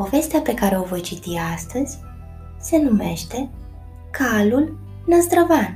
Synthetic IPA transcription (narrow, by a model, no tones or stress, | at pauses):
po̞ve̞st̪eape̞kaɾe̞o̞vo̞jt͡ʃit̪iast̪əz̥ʲ | se̞nume̞ʃt̪e̞ | kʰalul | nəzd̪ɾovan